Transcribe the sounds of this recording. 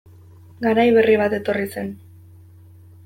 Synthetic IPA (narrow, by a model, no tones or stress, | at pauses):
ɡaɾajβe̞riβ̞at̪e̞t̪o̞rise̞n